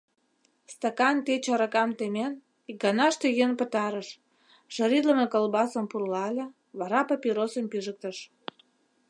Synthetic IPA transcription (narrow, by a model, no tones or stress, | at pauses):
st̪ɑkɑnt̪et͡ɕɑɾɑkɑmt̪emen | ikɡɑnɑʃt̪ejenpə̆t̪ɑɾəʃ | ʒ̥ɑɾid̪ləmekolbɑsəmpurlɑlʲe | βɑɾɑpɑpʲiɾosə̆mpyʒək̚t̪əʃ